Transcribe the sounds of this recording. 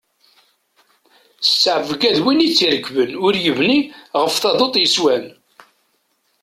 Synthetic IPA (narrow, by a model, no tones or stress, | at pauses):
ssəʕvɡæðwinit͡sːiɾəɡvənʊɾjəvniʁəfθɑðˤot̪ˤjəswæn